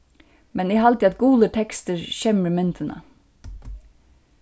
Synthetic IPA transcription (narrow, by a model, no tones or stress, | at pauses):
mɛniːhɑlt̪ʰiːɑt̪ɡuːlət̪ʰɛkst̪əɹçɛməɾmɛnt̪ʰənə̰